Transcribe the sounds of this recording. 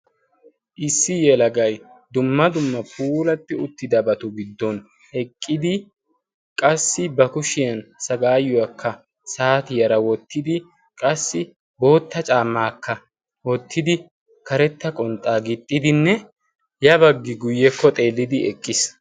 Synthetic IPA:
ʔɪsːɪjɛlɐɡɐj | d̪ʊmːɐd̪ʊmːɐpʰuːlɐt̪ːɪʊt̪ːɪd̪ɐbɐt̪ʊɡɪd̪ːɔn | ɛkʼːɪd̪ɪ | kʼɐsːɪbɐkʊʃɪjɐnsɐɡaːjʊwɐkːɐ | saːt̪ɪjɐɾɐwɔt̪ːɪd̪ɪ | kʼɐsːɪ | bo̞ːt̪ːɐt͡ʃʼaːmːaːkːɐ | wɔt̪ʰːɪd̪ɪ | kɐɾɛt̪ːɐkʼɔnt̪ʼaːɡɪt̪ʼːɪd̪ɪnːɛ | jɐbɐɡːɪɡʊjːɛkːɔt̪ʼe̞ːlːɪd̪ɪɛkʼːɪs

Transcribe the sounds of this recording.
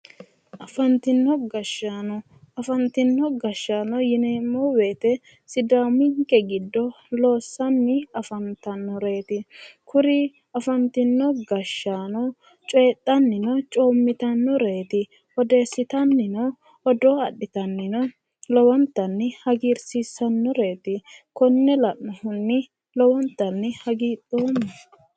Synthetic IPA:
ʔɐfɐnt̪ɪnːɔɡɐʃːanɔ | ɐfɐnt̪ɪnːɔɡɐʃːaːnɔjɪneːmːɔweːt̪ɛ | sɪd̪amɪŋkːɛɡɪd̪ːɔ | lo̞ːsːɐnːɪɐfɐnt̪ɐnːɔɾeːt̪ɪkʰʊɾɪ | ɐfɐnt̪ɪnːɔɡɐʃːaːnɔ | t͡ʃʼeːt̪ʼːɐnːɪnɔt͡ʃʼoːmːɪt̪ɐnːɔɾe̞ːt̪ɪ | ɔd̪e̞ːsːɪt̪ɐnːɪnɔ | ɔd̪oːɐɗːɪt̪ɐnːɪnɔ | lɔwɔnt̪ːɐnːɪhɐɡiːɾsisːɐnːɔɾe̞ːt̪ɪkɔnːɛlɐʔːɔhʊnːɪ | lɔwɔnt̪ːɐnːɪhɐɡiːt̪ʼːoːmːɐ

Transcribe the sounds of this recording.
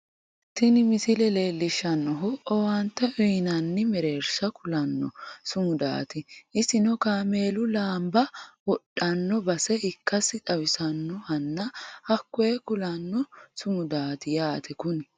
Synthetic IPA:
t̪ɪnɪmɪsɪlɛle̞ːlːɪʃːɐnːɔɦʊɔwɐnt̪ːɐʔɔjnɐnːɪmɛɾe̞ːɾsɐkʊlɐnːɔ̰sʊmʊd̪a̰ːt̪ɪʔɪsɪnɔkaːme̞ːlʊlaːmbɐwɔɗɐnːɔbɐsɛʔɪkːɐsɪt̪ʼɐwɪsɐnːɔhɐnːɐhɐkːɔjɛkʊlɐnːɔsʊmʊd̪aːt̪ɪjaːt̪ʰɛkʊn

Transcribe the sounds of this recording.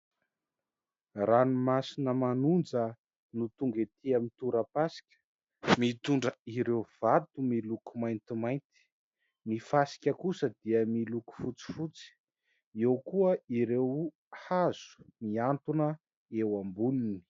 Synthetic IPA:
ranumasinəmanund͡zə | nut̪uŋɡet̪iamit̪uɾəpasi̥kʲə̥ | mit̪uɳɖ͡ʐəiɾewv̥at̪umilukumajnt̪imajnt̪i̥ | mifasi̥kʲəkusəd̪̥iəmiluku̥fut͡si̥fut͡si̥ | ewkuəiɾew | haz̥u̥miant̪unə | ewambunini̥

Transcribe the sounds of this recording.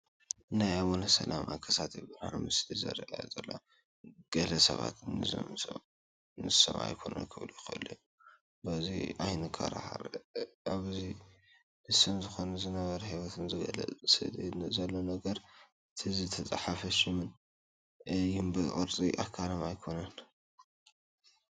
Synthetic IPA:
najawonɐsɐ̰lamʔa̰kʰɐsat̪ebɨɾha̰mɨslizɐ̰ɾʔazɐlːo | ɡ̥ɐlɐsɐ̰βa̰t̪nɨzɐ̰msɐ̰ | nɨsɐ̰mʔa̰jkʰonɐ̰jkʰɨβlujɪxɐɨlːɨu | bɐziʔajnɨkʰɐ̰ɾa̰ha̰ɾaβzi | nɨsɐmzɨxo̞nɐzɨnɐβɐɾɐhiwot̪ʰɨnzɨɡɐ̰lɐ̰t͡sʼsɨ̰d̪nzɐlːo̞nɐɡɐɾ | ɨt̪ʰizɨt̪ʰɐt͡sʼaħafɐʃɪmɨn | jumbɨʔʼɨɾt͡sʼiʔa̰kʰːaɾɐmajkʰo̞nɐn

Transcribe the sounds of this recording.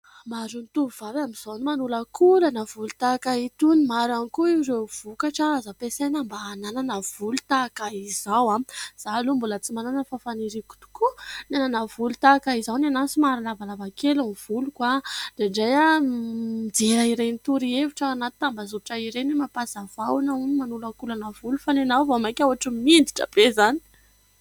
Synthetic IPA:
maɾunt̪uuvaɾamiz̥onimanulakʰulanav̥ulut̪akait̪unimaɾanikuiwɾev̥ukaʈ͡ʂazapesenambanananav̥ulu̥t̪akaizawaz̥alumbulət͡simananafafaniɾiku̥t̪u̥kunananav̥ulut̪akaizawnanansimaɾalavalavakeluniv̥ulukwad̥eɳɖ͡ʐaja | id͡zeɾaiɾejnit̪uɾieviʈ͡ʂaːnat̪i̥t̪ambazuɾʈ͡ʂaiɾenimapasav̥awanaunmanulakulanavulufanenawvamakʲawaʈ͡ʂəmind̪iʈ͡ʂə̰bezani̥

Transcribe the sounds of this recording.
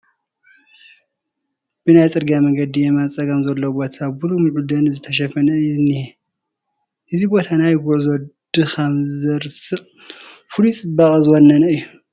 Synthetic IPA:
b̥ɨnajt͡sʼɨɾɡamɐŋɡɐd̪ijemant͡sʼɐɡɐmzɐlːowbo̞t̪ʰabulumɨʕud̪ɐnzɨt̪ʰɐʃ̬ɐfɐnɨnːi | ʔɨzibo̞t̪ʰanajɡuʕzɔd̪̥ɨkʰɐmzɐɾsɨ | fɨlut͡sʼɨbaχʼɨzɨwonːɐnɨjːu

